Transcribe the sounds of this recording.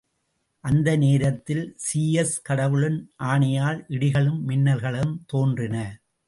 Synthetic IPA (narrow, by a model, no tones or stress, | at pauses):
ʔɐnd̪ɐneːɾɐt̪ːɪlsiːɛskɐɽɐʋɯɭɯnʔaːɳɐjaːlʔɪɽɪɣɐɭɯmːɪnːɐlɣɐɭɯmt̪oːndrɪnɐ